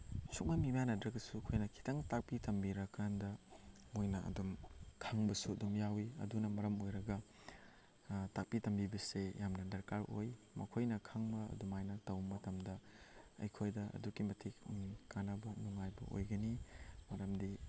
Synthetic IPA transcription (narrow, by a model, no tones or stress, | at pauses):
suk̚mɐmimanɐdɾɐɡɐsukʰojnɐkʰi̥tʰɐŋtak̚pitɐmbiɾɐkɾandɐ | mojnɐɐ̰dumkʰaŋbɐsuɐdumjawiɐ̰dunɐmɐɾɐmojɾɐɡɐ | tak̚pitɐmbibɐsejamnɐdɐɾkaɾoj | mɐkʰojnɐkʰaŋbɐɐ̰dumajnatɐwmːɐtɐmdɐɐ̰jkʰojdɐɐ̰dukimɐtʰikmikanabɐnuŋajbɐ̰ʔo̰jɡɐnimɐɾɐmdi